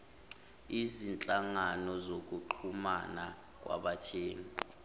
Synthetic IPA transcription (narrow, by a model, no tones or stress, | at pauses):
izint͡ɬʼaŋanɔzok̬ʼuǃʰumana | k̬ʼwʔa̰ɓat͡ʃʰeːni